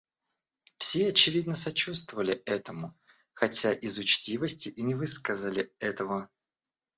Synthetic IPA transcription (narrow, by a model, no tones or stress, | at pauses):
fsʲeɐt͡ɕɪvʲid̪nəsɐt͡ɕust̪vəvəlʲɪɛt̪əmʊ | xɐtʲaʔɪzʊt͡ɕtʲivəsʲtʲɪʔinʲɪvɨskəzəlʲɪɛt̪əvə